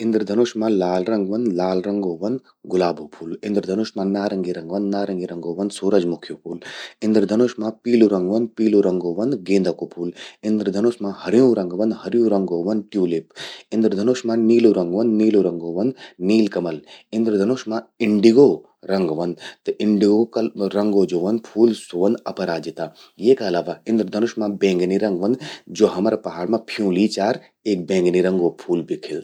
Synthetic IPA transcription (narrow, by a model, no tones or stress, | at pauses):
ɪ̃nd̪ɾd̪ʱɐnoːʃmãːlaːlɾɐŋɡʋɐnd̪laːlɾɐŋɡoːʋɐnd̪ | ɡʊlaːboːpʰuːlɪ̃nd̪ɾd̪ʱɐnuʃmãːnaːɾɐŋɡiɾɐŋɡʋɐnd̪naːɾɐŋɡiɾɐŋɡoːʋɐnd̪suːɾɐd͡ʒmʊkʰjoːpʰuːlɪ̃nd̪ɾd̪ʱɐnoːʃmãːpiːluɾɐŋɡʋɐnd̪̚piːluɾɐŋɡoːʋɐnd̪ɡẽːnd̪ɐkopʰuːlɪ̃nd̪ɾd̪ʱɐnoʃmãhɐɾjũːɾɐ̃ŋɡʋɐnd̪hɐɾjũːɾɐŋɡoːʋɐnd̪ʈjuːlipɪ̃nd̪ɾəd̪ʱɐnoːʃmãniːluɾɐ̃ŋɡʋɐnd̪niːluɾɐŋɡoːʋɐnd̪niːlkɐmɐlɪ̃nd̪ɾd̪ʱɐnoʃmãɪɳɖiɡo | ɾɐ̃ŋɡʋɐnd̪t̪ɨʔɪɳɖiɡokɐɾɐ̃ŋɡoːd͡ʒoːʋɐn̚pʰuːlsoːʋɐnd̪ɐpɐɾaːd͡ʒɪt̪aːjeːkɐlaːʋaɪ̃nd̪ɾd̪ʱɐnʊʃmãbẽːŋɡniɾɐ̃ŋɡʋɐ̃nd̪d͡ʒoːɦɐmɾapɐɦaːɽmãpʰijũːliːt͡ʃaːɾ | eːk̚bẽːŋɡniɾɐ̃ŋɡopʰuːlbʱikʰɪl